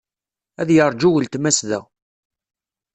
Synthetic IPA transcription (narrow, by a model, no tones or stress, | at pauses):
æðjəɾˤd͡ʒuwəlt̪mæsðæ̰